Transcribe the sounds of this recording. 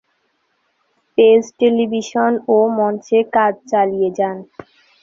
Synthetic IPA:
pesʈelibʱiʃonomɔnt͡ɕekad͡ʑt͡ɕalijed͡ʑan

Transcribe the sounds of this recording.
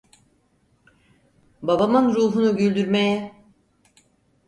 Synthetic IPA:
babamɯnɾuːɦunuɟylʲd̪yɾme̞jɛ

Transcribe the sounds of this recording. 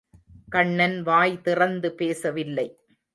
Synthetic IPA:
kɐɳːɐnʋaːjt̪ɪrɐnd̪ɯpeːsɐʋɪlːɐɪ

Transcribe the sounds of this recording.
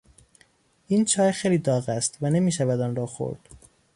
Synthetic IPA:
iːnt͡ʃʰɒːjxejliːd̪ɒːɣæst̪vænemiːʃævæd̪ɒːnɾɒːxo̰ɾd̪̥

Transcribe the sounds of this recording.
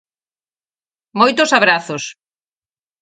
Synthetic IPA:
mojt̪ʊsaβɾaθos

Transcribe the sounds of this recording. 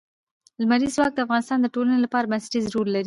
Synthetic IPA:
lmaɾiswɑk̚d̪əafɣɑnɪst̪ɑnd̪əʈolanelapɑɾabansḁʈizɾuɾlaɾi

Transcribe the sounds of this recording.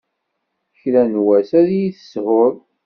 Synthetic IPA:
çlænwæsæðjiθə̥shʊɾ

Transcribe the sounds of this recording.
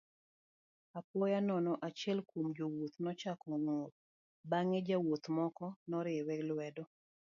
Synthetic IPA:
apwɔjanɔnɔʔat͡ʃɛlkwomd͡ʒowot̪nɔt͡ʃakɔŋot̚ | baŋed͡ʒawot̪mɔkɔnɔɾɪwɛlwɛdɔ

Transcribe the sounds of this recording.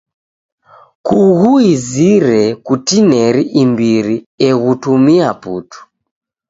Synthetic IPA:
kuɣuiziɾɛkutinɛɾiʔimbiɾi | ɛɣutumiaputu̥

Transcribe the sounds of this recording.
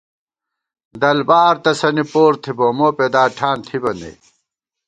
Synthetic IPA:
d̪ɐlbaːɾt̪ɐsɐnipoːɾt̪ʰibomoːped̪aːʈʰaːnt̪ʰibɐnḛ

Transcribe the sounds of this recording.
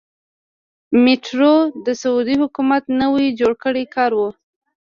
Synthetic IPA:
mɪʈɾod̪əsaud̪ihʊkumat̪nəwid͡ʒoɽkəɽekɑɾwu

